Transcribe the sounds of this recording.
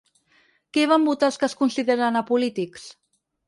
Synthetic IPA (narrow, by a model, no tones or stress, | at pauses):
kɛβ̞ambut̪alˠskəskunsiðeɾanapulit̪iks